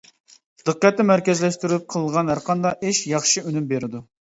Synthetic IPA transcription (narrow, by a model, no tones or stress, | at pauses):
d̪̥əqːɛt̪ːɛmæɾkʲɛzlɛʃt̪yɾyɪp̚qʰəlˠəʁɑnɦæɾqʰɑnd̪ɑʔɪʃjɑχʃiynymbeɾɪd̪u